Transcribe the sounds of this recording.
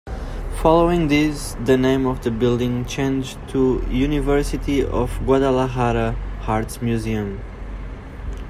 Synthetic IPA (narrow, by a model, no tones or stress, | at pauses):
fɑloʊɪ̃ŋðɪz | ðɨnẽɪ̃mʌvðəbɪlˠdɪ̃ŋt͡ʃʰẽɪ̃nd͡ʒtʰujʉnɪvɜ˞sɨtiɔ̰vɡwadalaɦaɾəhaɹtsmjʉziɨ̃m